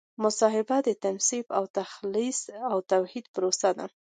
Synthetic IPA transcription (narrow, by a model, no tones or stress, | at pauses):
mʊsɑɦɪbad̪ət̪ansibawt̪axlisawt̪awhid̪pɾosad̪a̰